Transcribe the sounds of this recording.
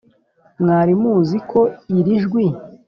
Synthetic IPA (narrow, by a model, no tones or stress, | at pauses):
mŋaːɾimuzikʰo̞iɾiʒɡwi